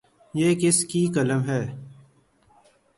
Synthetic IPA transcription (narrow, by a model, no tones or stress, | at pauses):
jeːkɪskiːkələmɦɛː